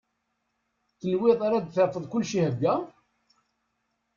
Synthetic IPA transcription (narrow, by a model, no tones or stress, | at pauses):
θəlwɪðˤaɾad̪θəɾfəðˤkʊlːʃihəɡːæ